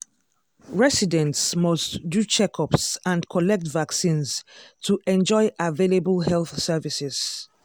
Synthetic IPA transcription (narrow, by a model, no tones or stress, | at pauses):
ɹɛsidɛ̃ntsmɔstdut͡ʃɛkʰɔpsãnkʰɔlɛk̚tvaksĩnztʰuʔɛ̃nd͡ʒɔɪʔavelebəlɦɛlˠθsɛvisɪz̥